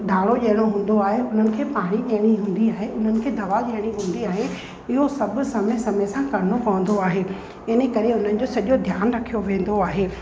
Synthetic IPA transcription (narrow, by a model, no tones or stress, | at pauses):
d̪ʱaːɽ̃oʄɐɦɪɽ̃oɦũːn̆d̪oaːɦeʊn̤ənɪ̆kʰeːpaːɽ̃iʄɐɦɽ̃iɦũːn̆d̪iaːɦeʊn̤ənɪ̆kʰeːd̪ʱɐʋaʄɐɦɽ̃iɦũːn̆d̪iaːɦe | ɪɦosɐbʱʊ̆sɐməsɐməsãkɐɾɪnopɐʋə̃n̆d̪oaːɦeː | ɪnĕkɐɾeʊn̤ənɪ̆d͡ʑoːsɐʄod̪ʱjaːnɾɐkʰijoʋẽːn̆d̪oaːɦeː